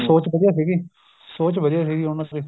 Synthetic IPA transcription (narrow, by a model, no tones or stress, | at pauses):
soːt͡ʃbəd̪ijaːsiːɡiː | soːt͡ʃbəd̪jaːs̬iːɡiːonaki